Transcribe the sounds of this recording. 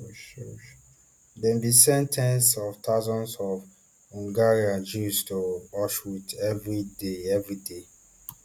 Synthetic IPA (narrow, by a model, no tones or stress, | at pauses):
ʃʃ | dɛ̃nbisɛ̃ntʰɛ̃nsɔftʰaʊzɔ̃nsɔv | hũŋɡaɹiãd͡ʒustoɔʃɹutɛvɹideɛvɹide